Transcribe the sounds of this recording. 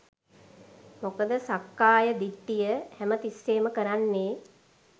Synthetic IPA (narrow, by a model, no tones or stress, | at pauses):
mokəd̪əsakːaːjəd̪iʈːijəhæmət̪isːeːməkəɾanːeː